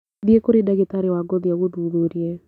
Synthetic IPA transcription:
d̪jekoɾidaɡit̪aɾɪwaɡod̪jawud̪wubuɾje

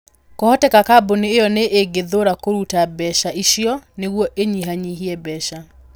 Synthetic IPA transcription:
kɔhɔtɛkakaboneːjɔneʔeɡeðoɾakoɾutabɛʃaiʃjɔneɣwɔʔeɲiɦaɲiɦiɛbɛʃa

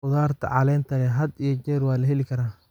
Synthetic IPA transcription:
ʊðaːrt̪ʰɐ̰ʕɑlɛːnt̪ʰɐlɛɦɐd̪ijɔt͡ʃɛːrwɑːlɐɦɛlɪkʰɐɾaː

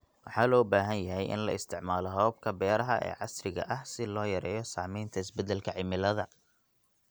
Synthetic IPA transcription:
wɑħɑːlɔːbaːɦɐnjɐɦɛjʔɪ̰nlɐ̰ɪst̪ʰɪʕmaːlɔɦɔːb̚kʰɐbɛːɾɐɦɐʔɛ̰ːʕɑsrɪɣɐ̰ʔɐhsɪlɔːjɐɾɛ̰ːjɔsaːmɛjnt̪ʰɐɪsbɛd̪ɛlkʰɐʕɪmɪlɐðɐ

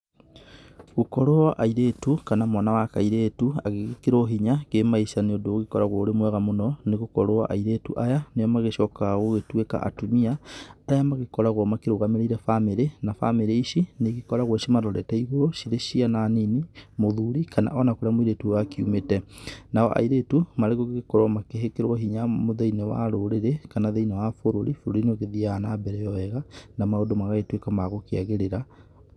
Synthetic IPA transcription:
ɣokɔɾoaʔaiɾeːtukanamwanawakaiɾeːtua̰ɣeɣkeɾoɦiɲakemaisaneodoːɣekɔɾaɣwaoɾemwɛɣamonɔneɣokɔɾoaʔa̰iɾeːtuʔajanejɔmaɣeʃɔkaɣoɣetweka̰ʔa̰tumiaːjamaɣekɔɾaɣwɔmakeɾoɣameɾeiɾɛfameɾenafa̰meɾeiʃineɣekɔɾaɣwɛʃimaɾɔɾɛtɛiɣoɾoʃiɾeʃiananinimoðuɾikana̰ʔɔnakoɾeamoiɾetuwakiṵmetɛnaɔ̰ʔa̰iɾetumaɾeɣoɣeɣekɔɾwamakeɦekeɾwɔɦiɲamoðeinewa̰ɾoɾeɾekanaðeinewafoɾoɾifoɾoɾinoɣeðianabɛɾɛjɔɛɣanamaodomaɣaɣetwekamaɣokeaɣeɾeɾa

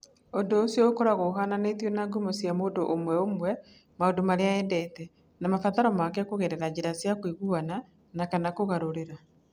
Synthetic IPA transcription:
ondoːsjɔokɔɾaɣoːɦananetionaɡumosjamondoʔːmwɛomwɛ | maodomaɾeaɛndɛtɛ | namafaðaɾɔmakɛkoɣɛɾɛɾad͡ʑeɾasjakwiɣuana | nakanakoɣaɾoɾeɾa

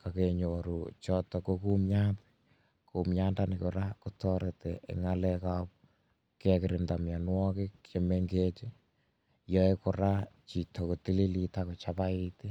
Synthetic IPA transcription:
kakeɲoɾut͡ʃɔtɔkokumjapɛ̥ | kumjandanɪkoɾakotɔɾetɛʔḛŋalɛkap | kɛkɪɾɪndamjanwɔket͡ʃemeŋɡet͡ʃe | jɔekoɾat͡ʃitɔkotililitakot͡ʃapaiti

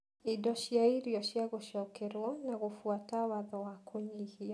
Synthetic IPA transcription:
idɔʃjaiɾiɔɕjaɣoʃɔkɛɾwɔnaɣofwatawaðɔwakʰoɲiɣia

